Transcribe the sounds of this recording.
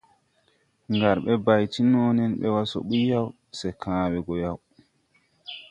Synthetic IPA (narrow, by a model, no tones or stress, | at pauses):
ŋɡaɾɓɛbajtinɔːnɛnɓɛwasɔ̰ɓujaw | sɛkʰãːwɛɡɔjaw